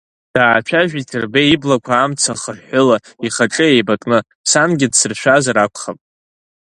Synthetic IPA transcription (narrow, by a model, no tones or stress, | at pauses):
d̥aːt͡ʃʷᶣʰaʒᶣitʰɨrbeiblakʷʰaːmt͡sʰaχərħʊla | iχaʈ͡ʂʼɨejbakʼnɨ | samɡʲɪdsɨrʃʷᶣazaɾakʷʰχapʼ